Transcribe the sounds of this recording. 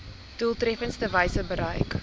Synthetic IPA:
tulˠtrɛfənstəvəjsəbəɾəjk

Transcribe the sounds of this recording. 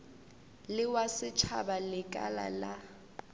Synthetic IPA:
lɪwasɪt͡ʃʰa̰balɪkʼa̰la̰la

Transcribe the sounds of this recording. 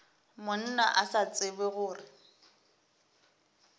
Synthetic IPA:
mʊn̩na̰ʔasat͡sʼɪbɛɣʊːrɪ

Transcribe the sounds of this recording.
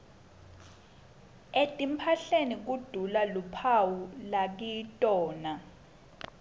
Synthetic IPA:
etʼimpʰaɬenik̬ud̥ʱulalupʰawulak̬itʼɔːna

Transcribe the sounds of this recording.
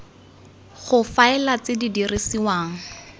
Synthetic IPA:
χʊfaɪlat͡sɪdidirʔisiwaːŋ̩

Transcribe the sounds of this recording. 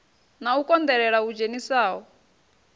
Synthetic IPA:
naukʼɔnd̪ɛɺɛɺaud͡ʒenisaːɔ

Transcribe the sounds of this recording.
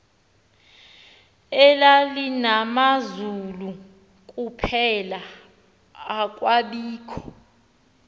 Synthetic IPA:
ɛlalinamazulu | k̬ʼupʰɛlaː | k̬ʼwaɓiːkʰɔ̥

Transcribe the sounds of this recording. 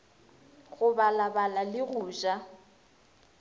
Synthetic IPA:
ɣʊbalabalalɪɣuːʒa

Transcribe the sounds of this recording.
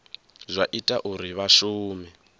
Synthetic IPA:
zʷaʔitʼaʔuɾiβaʃuːmɛ

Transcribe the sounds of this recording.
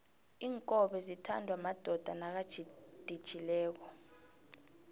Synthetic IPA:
iːŋkʼɔɓɛzitʰa̰ndʱwamad̥ʱɔd̥ʱanak̬ḁʒ̥ʱid̥ʱid̥ʒ̥ʱilɛːk̬ɔ

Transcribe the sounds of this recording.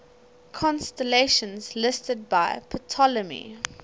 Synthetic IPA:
kʰɔ̃nstəleɪʃə̃nzlɪstəd̚baɪpʰɔtʰɔləmḭ

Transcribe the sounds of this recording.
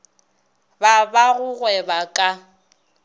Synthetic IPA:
babaɣʊɣwɛbakʼa

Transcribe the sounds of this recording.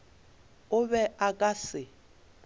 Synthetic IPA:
ʊβɛʔakʼasɪ

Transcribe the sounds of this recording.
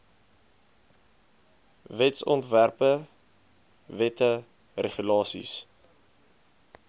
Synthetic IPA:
vɛtsɔntværpə | vɛtə | reχylɑːsḭs

